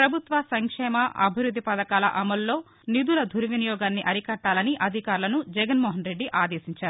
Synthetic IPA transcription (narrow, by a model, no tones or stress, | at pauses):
pɾɐbʱut̪ʋɐsɐŋkʂɛːmɐʔɐ̰bʱiɾud̪ʱːipɐd̪ɐkaːlɐ̰ʔɐmɐlːo̞ː | nid̪ulɐd̪ʱuɾuʋinijɔːɡaːnːiʔɐɾikɐʈːaːlɐniʔɐd̪ʱikaːɾulɐnud͡ʒɛɡɐnmɔːɦɐnɾe̞ɖːiʔaːd̪eːsiɲt͡ʃaːɾu